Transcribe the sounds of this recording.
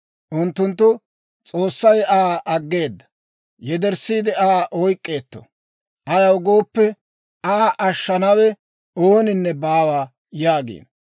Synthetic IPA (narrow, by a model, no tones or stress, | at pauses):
ʔʊnt̪ːʊnt̪ːʊ | t͡sʼo̞ːsːɐjaːʔɐɡːe̞ːd̪ːɐ̥ | jɛd̪ɛɾsːiːd̪ɪaːʔɔjkʼːe̞ːt̪ːɔ̥̰ | ʔɐjɐwɡo̞ːpːɛ | aːʔɐʃːɐnɐwɛ | oːnɪnːɛbaːwaː | jaːɡḛːn